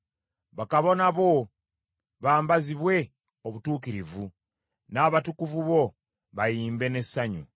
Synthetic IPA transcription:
βakaβo̞naβo̞ | βaːmbaziβwe̞ | oβutuːkiɾivu | naːβatukuvuβo̞ | βajiːmbe̞ne̞saɲṵ

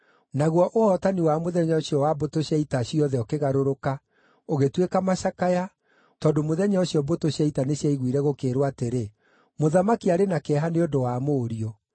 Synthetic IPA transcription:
naɣwɔʔohɔtaniwamoðɛɲɔɕiɔwabotoɕjaitaɕiɔðɛɔkeɣaɾoɾoka | oɣetwekamaʃakaja | tɔːndomoðɛɲaɔɕiɔbotoɕaitaneɕjaiɣwiɾɛɣokeːɾwateɾe | moðamakiaɾenakɛɦaneondowamoːɾiɔ

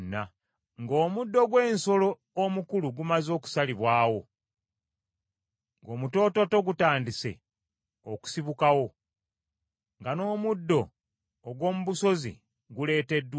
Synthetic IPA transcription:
nːa | ŋɡoːmudːo̞ɡwe̞ːnso̞lo̞ː | mukuluɡumazo̞ːku̥saliβwaːwo̞ | ŋɡo̞ːmuto̞ːto̞to̞ɡutaːndise̞̰ | oku̥siβukawo̞ | ŋɡano̞ːmudːo̞ː | ɡwo̞ːmuβuso̞zḭ | ɡule̞ːte̞dːw

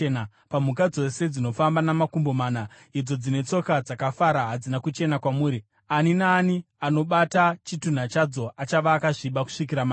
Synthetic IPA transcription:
na | pamukad͡zo̞se̞d͡zino̞fambanamakumbo̞maːna | id͡zo̞d͡zine̞t͡so̞kad͡zakafaɾaɦad͡zinakut͡ʃe̞nakwamuːɾi | aninaːni | ano̞ɓatat͡ʃitun̤at͡ʃad͡zo̞ʔat͡ʃaʋaːkaʐiɓaku̥ʂik̬iɾama

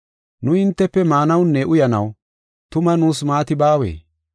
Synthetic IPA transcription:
nʊɪnt̪ːɛpːɛmaːnɐwnːɛʔʊjɐnɐ̰w | t̪ʊmɐnuːsmaːt̪ɪbaːwḛː

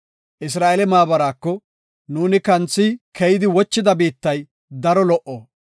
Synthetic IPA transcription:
ʔɪs̬ɾaːʔelɛmaːbɐɾaːkːɔ | nuːnɪkɐnt͡sːɪkʰɛjɪd̪ɪwɔt͡ʃːɪd̪ɐbiːt̪ːɐj | d̪ɐɾɔlɔʔːoː

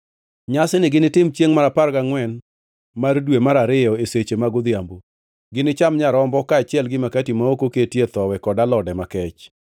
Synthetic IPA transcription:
ɲasɪnɪɡɪnɪtɪmt͡ʃjeŋmaɾaparɡaŋwɛn | mardwemaɾaɾɪjɔeset͡ʃemaɡʊd̪ɪjambo | ɡɪnɪt͡ʃamɲaɾɔmbɔkaːt͡ʃɪɛlɡɪmakatimaokoketjet̪ɔwɛkɔdalɔdɛmakɛt͡ʃ

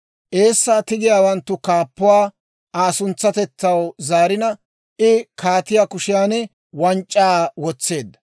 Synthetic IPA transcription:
ʔe̞ːsːaːt̪ɪɡɪjaːwɐnt̪ːʊkaːpːʊwaː | ʔaːsʊnt͡sːɐt̪ɛtːɐwzaːɾɪnɐ | ʔɪkʰaːt̪ɪjaːkʊʃɪjaːnɛ | wɐnt͡ʃʼːaːwɔt͡sːe̞ːd̪ːɐ̥

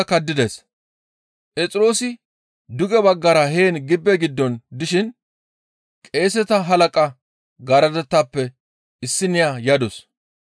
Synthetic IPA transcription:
kɐd̪ːɪd̪es | pʼɛt͡sʼɪɾo̞ːsɪ | d̪ʊɡɛbɐɡːɐɾɐɦe̞ːnɡɪbːɛɡɪd̪ːɔnd̪ɪʃɪn | kʼe̞ːsɛt̪ɐɦɐlɐkʼɐ | ɡɐɾɐd̪ɛt̪ːaːpːɛ | ɪsːɪnɪjajɐd̪ɔs

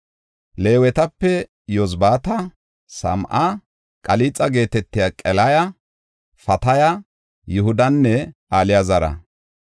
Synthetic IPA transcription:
le̞ːwɛt̪ɐpːɛ | jɔzbaːt̪ɐ | sɐ̰mʔɐ | kʼɐliːt͡sʼːɐɡe̞ːt̪ɛt̪ːɪjakʼɛlɐjɐ | fɐt̪ɐjɐ | jʊɦʊd̪ɐnːɛʔaːlɪjazɐɾɐ̰

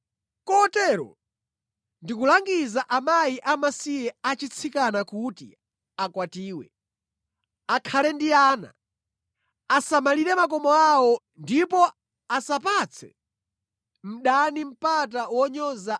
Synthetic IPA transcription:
kɔtɛɾɔ̰ | ndikulaŋɡizaʔamajiʔamasijɛat͡ʃit͡sʰikanakutḭ | akwatiːwɛ̰ | akʰalɛndiaːna̰ | asamaliɾɛmak̬ɔmɔawɔ | ndipɔ | asapat͡sʰɛ̰ | m̩ɗanim̩pat̬awɔɲɔza

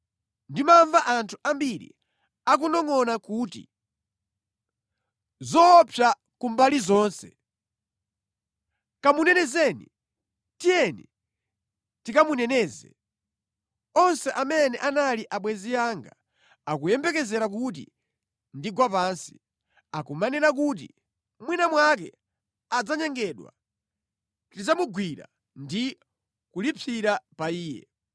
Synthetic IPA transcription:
ndimaɱvaʔantʰu̥ambiɾḭ | ak̬unɔŋɔnakuːtḭ | zɔpʰja | kumbalizɔːnsɛ̰ | kamunɛnɛzɛnḭ | tijɛni | tikamunɛnɛːzɛ̰ | ɔnsɛʔamɛnɛʔanaliʔaɓwɛzijaŋɡa̰ | ak̬ujɛmbɛkɛzɛɾak̬ut̬ḭ | ndiɡwapansi̥ | akumanɛɾak̬ut̬ḭ | mwinamwak̬ɛ̰ | ad͡zaɲɛŋɡɛɗwa̰ | tid͡zamuɡwiɾa̰ | ndi | kulipʰiɾapaiːjɛ̰

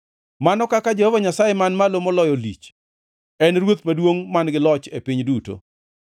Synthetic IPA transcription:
manɔkakad͡ʒehovaɲasajɛmanmalomɔlɔjɔlḭt͡ʃ | ɛnɾwot̪madwoŋmanɡɪlɔt͡ʃepɪɲduto̰

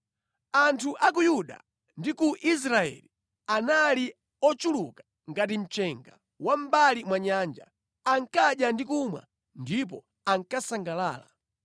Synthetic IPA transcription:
antʰuʔak̬ujuɗa̰ | ndikuʔis̬ɾaɛ̰li | anali | ɔt͡ʃulukḁ | ŋɡatim̩t͡ʃɛŋɡa | wam̩balimwaɲaːnd͡ʒa̰ | aŋkaɗjandikumwa̰ | ndip̬ɔ̰ | aŋkasaŋɡalaːla̰

